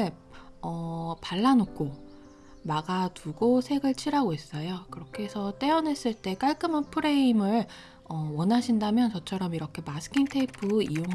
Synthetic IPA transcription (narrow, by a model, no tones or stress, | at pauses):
ɭ | ʌpaɭːanok̚k͈ʰo | maɡatuɡosʰe̞ɡɯɭt͡ɕʰiɾɦaɡoɦe̞s͈ʌjokɯɾʌkʰe̞sʰʌt͈e̞ʌnɦe̞s͈ɯɭt͈e̞k͈aɭk͈ɯmapʰɯɾe̞imɯɭ | ʌwʌnɦaɕʰindamjʌnt͡ɕʌt͡ɕʰʌɾʌmiɾʌkʰe̞masʰɯ̥kʰintʰeipʰɯijoŋɦ